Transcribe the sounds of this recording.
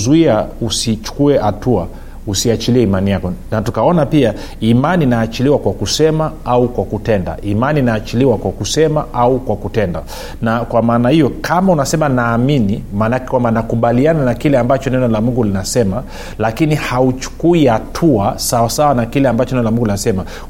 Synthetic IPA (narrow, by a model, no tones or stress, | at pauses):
zuiausit͡ʃu̥kuɛhatua | usiat͡ʃiliɛimanijakɔnatukaɔnapia | imaniːnaːt͡ʃiliwakwakusɛmaaukwakutɛnda̰ʔimaniːnaːt͡ʃiliwakwakusɛmaʔaukwakutɛnda̰ | nakwamaːnahijɔkʰamaunasɛmanaːminimaːnakɛ̥kwambanakuɓaliananakilɛambat͡ʃɔnɛnɔlamuŋɡulinasɛma | lakinihaut͡ʃu̥kuihatʰuasawasawanakilɛambat͡ʃɔnɛnɔlamuŋɡulinasɛma